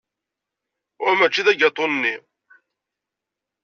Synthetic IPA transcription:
ʊɾmæt͡ʃːiðæɡɑt̪ˤːonnːi

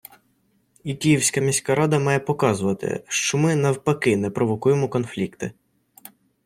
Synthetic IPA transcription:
ikʲijiwsʲkɐmʲisʲkɐɾɑd̪ɐmɑjɛpɔkɑzʊʋɐt̪ɪ̰ʃt͡ʃɔmɪnɐwpɐkɪnɛpɾʔɔʋɔkujemɔkɔnflʲikt̪ɪ

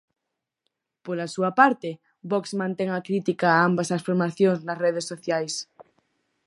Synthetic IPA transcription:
polasuapaɾt̪e | bɔksmãnt̪ɛŋakɾit̪ikaːambasasfoɾmaθjoŋznɐsreð̞esoθjajs

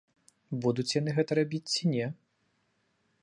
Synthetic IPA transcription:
bud̪ut͡sʲjan̪ɨɣɛt̪ɐɾabʲit͡sʲt͡sʲinʲɛ

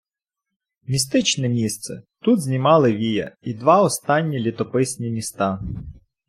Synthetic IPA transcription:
mʲist̪ɪt͡ʃnɛmʲist̪sɛt̪ud̪zʲnʲimɑlˠɪʋʲijɐ̰id̪ʋɑɔst̪ɑnʲːilʲit̪ɔpɪsʲnʲimʲist̪ɑ

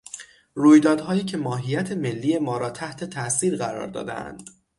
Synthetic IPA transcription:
ruːjd̪ɒːd̪hɒːjiːcʰe̞mɒːɦijæt̪ʰe̞me̞lːiːje̞mɒːɾɒːt̪ʰæht̪ʰe̞t̪ʰæʔsiːɾɢæɾɒ̰ːɾd̪ɒ̰ːd̪ḛæ̰nd̪̥

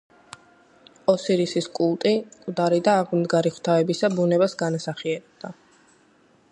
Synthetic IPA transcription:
ɔsiɾisiskʼulˠt̪ʼikʼd̪aɾid̪aːʁmd̪ɡaɾiχw̥t̪ʰaɛbisabunɛbasɡanasaχiɛɾɛb̚d̪a

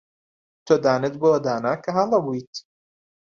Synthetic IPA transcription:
t̪ʰoːd̪aːnet̪̚boɐd̪aːnakʰɐɦalɐbujt̪

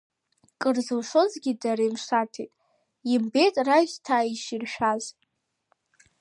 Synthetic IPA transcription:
kʼɨrzɨwʂozɡʲidaɾajmʂatʰejtʼ | imbe̞jtʼraʒʲtʰaːiʃirʃᶣaz

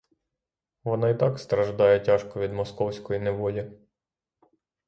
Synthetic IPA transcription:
ʋɔnɑit̪ɑkst̪ɾɐʒd̪ɑjɛtʲɑʃkɔʋʲid̪mɔskɔwsʲkɔjineʋɔlʲi

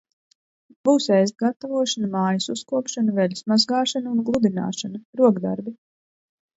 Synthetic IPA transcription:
b̥uːsɛjzt̪̚ɡat̪avuɔʃanamaːjasuskuɔkʃanavɛlʲusmazɡaːʃanaunɡlˠud̪ina̰ːʃanaɾuɔɡd̪a̰ɾbi

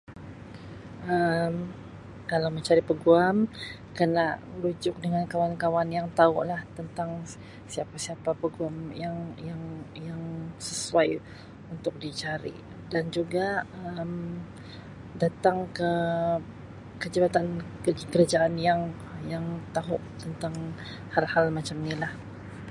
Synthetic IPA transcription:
ʔəm | kalawməɲt͡ʃaɾipəɡuam | kənaʔlud͡ʒʊk̚dəŋankawankawanjaŋt̪aʊ̰ʔlaht̪ənt̪aŋ | siapasiapapəɡuamjaŋjaŋjaŋsəsuaj | unt̪ʊk̚dit͡ʃaɾḭ | dand͡ʒuɡaəm | dat̪aŋkə | kəd͡ʒabat̪anəkəɾad͡ʒaʔanjaŋ | jaŋt̪aɦʊʔt̪ənt̪aŋ | halhalmat͡ʃamnilah

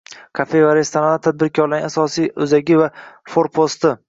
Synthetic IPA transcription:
kʰafevaɾe̞st̪ʰaɾalat̪ʰad̪̚bɪɾkʰʲɒɾlaɾɪasɒsijɵzaɡʲɪvafoɾpʰost̪ɪ

